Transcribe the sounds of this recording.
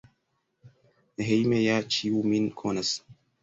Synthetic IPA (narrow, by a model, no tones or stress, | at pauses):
nɦejmejat͡ʃiwuminkʰonɐs